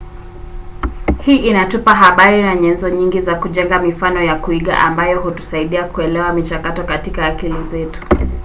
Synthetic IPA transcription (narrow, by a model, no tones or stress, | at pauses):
hiːʔinatupaɦaɓaɾinaɲɛnzɔɲiŋɡizakuʄɛŋɡamifanɔjakuiɠa̰ʔambajɔɦutu̥saiɗiakuɛlɛwamit͡ʃakatɔkatikaːkilizɛtu̥